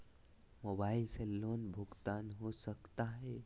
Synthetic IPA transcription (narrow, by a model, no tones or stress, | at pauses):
mobailselːonbʱuɡt̪anɦosəkt̪aɦe